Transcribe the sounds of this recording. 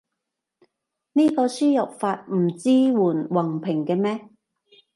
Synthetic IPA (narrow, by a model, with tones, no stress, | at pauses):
niː˥kɔː˧syː˥jɐ˨p̚faː˧t̚m̩˨˩t͡siː˥wuː˨˩nwɐ˨˩ŋpʰɪ˨˩ŋkɛː˧mɛː˥